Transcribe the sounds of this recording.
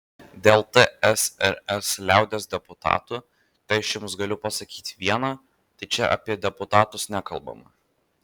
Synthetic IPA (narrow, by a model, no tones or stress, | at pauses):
d̪ʲɛlˠt̪əɛsɛɾɛslʲæˑʊd̪ʲeːsd̪ʲɛpʊt̪ɑ̰ːt̪uː | t̪ɐɪɐʃjʊmsɡɐlʲʊpɐsɐkʲiːt̪ʲʋʲiɛnɑː | t̪ɐɪt͡ʃʲɛʔɐ̰pʲiɛd̪ʲɛpʊt̪ɑːt̪ʊsnʲækɐlˠbɐ̰mɐ̰